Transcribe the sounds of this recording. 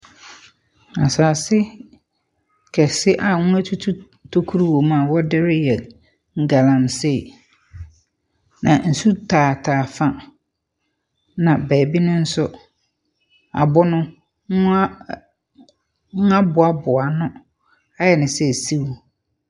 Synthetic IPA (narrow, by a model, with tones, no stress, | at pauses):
a˨saː˨sɪ˦ | kʰɛ˨sɪ˦ʔa˨ŋũ˦æ˦tʰu˦tʰu˦ | tʰo˦kʰu˦ɾu˦wo˨mã˨wɔ˦dɪ˦ɾɪ˦jɛ˨ | ŋ̩˨ɡa˨lã˨n˨sɪ˦˨ | nã̰˨n̩˨su˦tʰaː˨tʰaː˨fã˦ | nã˨bɛː˨bi˦nʊ̃˦n̩˦sʊ˦ | a̰˨bʊ˦nʊ̃˦ | ʊ̃˦ | ŋʊ̃˦a˦bʊ˨a˦bʊ˨a˨nʊ̃˦ | a˦jɛ˨nɪ̃˨sɛ˦˨si˦wu˦